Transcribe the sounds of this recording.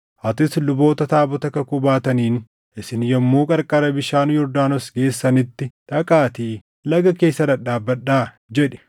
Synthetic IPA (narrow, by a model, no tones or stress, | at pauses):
ʔɐt̪ɪslʊbo̞ːt̪ɐt̪aːbɔt̪ɐkɐkʊbaːt̪ɐniːn | ʔɪsɪnjɔmːuːkʼɐɾkʼɐɾɐbɪʃaːnʊjɔɾd̪aːnɔsɡe̞ːsːɐnɪt̪ːɪᶑ̪ɐkʼaːt̪iː | lɐɡɐke̞ːsːɐdɐᶑaːbːɐᶑːaː | d͡ʒɛᶑɛ̥